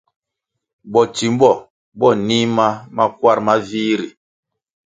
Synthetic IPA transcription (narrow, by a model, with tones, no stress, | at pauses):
bɔ˨t͡ʃi˨m˦bɔ˦˨ | ɓɔ˦˨ni˦ma˦ma˦kwa˦˨ɾma˦vi˦ɾi˨